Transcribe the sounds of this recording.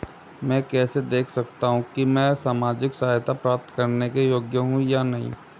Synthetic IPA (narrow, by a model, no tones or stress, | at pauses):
mɛ̃ːkɛːsed̪eːkʰsɐkt̪aɦũkimɛ̃saːmaːd͡ʒɪksaːɦjt̪apɾaːp̚t̪kɐɾnekejoːɡjəɦũjanɐɦḭ̃